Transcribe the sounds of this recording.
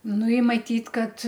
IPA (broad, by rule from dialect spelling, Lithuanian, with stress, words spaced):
ˈnʊ ɪ mɐˈtʲiːtʲ ˈkɐt